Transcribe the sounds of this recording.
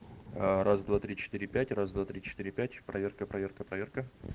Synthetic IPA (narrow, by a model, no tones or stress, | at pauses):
ərʔazd̪vat̪ɾʲit͡ɕɪ̥t̪ɨɾʲɪpʲætʲrazd̪vat̪ɾʲit͡ɕɪ̥t̪iɾʲɪpʲætʲpɾɐvʲe̞rkəpɾʔɐvʲe̞rkəpɾɐvʲe̞rkə